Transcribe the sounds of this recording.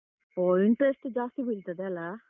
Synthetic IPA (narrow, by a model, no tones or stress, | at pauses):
oːiɳʈɾesʈd͡ʒaːst̪ibiɭt̪ɐd̪eɐlːa